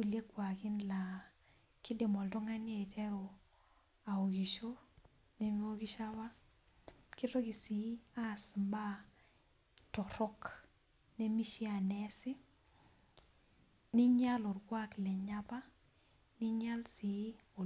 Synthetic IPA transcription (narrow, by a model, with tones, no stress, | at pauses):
u˨lje˦kwa˨kɪ˦nla˨ | kɪ˦dɪ˨mɔ˨ldɔ˦ŋa˦ni˦e˨tɛ˦ɾo˨ | a˨o˨ki˨ʃo˦ | ne˦mi˦o˦ki˦ʃa˦wa˦ | ki˦ɾɔ˦ki˨si˨˦a˦smba˦ | tɔ˨ɾɔ˦k | ne˦mi˦ʃi˦a˨nɛ˦sɪ˦ | ni˦ɲa˦lɔ˨rɡwa˦klɛ˨ɲa˦pa˦ | ni˦ɲa˦lsi˨˦ | o˨